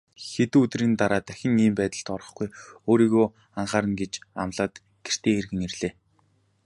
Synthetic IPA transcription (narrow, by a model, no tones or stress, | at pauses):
xet̪uːut̪riːnt̪aɾaːt̪æxʲɪ̆ŋiːmpæːt̪ə̆ɬt̪ɔrə̥̆χɡujoːɾiːɣoː | aɴχaːɾə̆nɡet͡ɕa̰mɮaːt̪ | ɡ̥er̥t̪eːerɣɘ̆ŋerɮeː